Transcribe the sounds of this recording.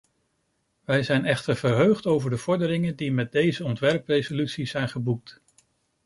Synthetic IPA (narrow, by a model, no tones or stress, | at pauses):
ʋɛjzɛjnɛχtəɹvəɹɦøχtowvəɹdəv̥ɔɹdəɾɪŋəndimɛt̚dejzəɔntʋɛɹprejzolytsizɛjnχəbuk̚t